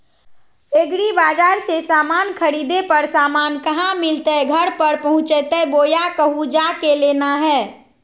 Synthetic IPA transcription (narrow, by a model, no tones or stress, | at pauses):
eːɡɾibaːd͡ʒaːɾsesaːmaːnkʰəɾiːd̪epəɾsaːmaːnkəɦãmɪlt̪eɡʱəɽpəɾpɐɦʊ̃t͡ʃət̪eboːjakəɦud͡ʒaːkeleːnaɦɛː